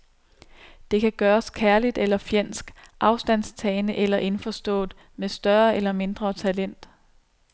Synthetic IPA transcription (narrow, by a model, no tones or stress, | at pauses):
d̥e̝kʰæɡ̥ɶːɐskʰæɐlid̥elɐfjen̰sɡ̥ʔɑ̈ʊsd̥æn̰st͡sʰɛːɪnəʔelɐʔe̝nfɒsd̥ɔ̰̽ːð̥ˠ | mesd̥ɶɐelɐme̝nd̥ʁɐt͡sʰælen̰d̥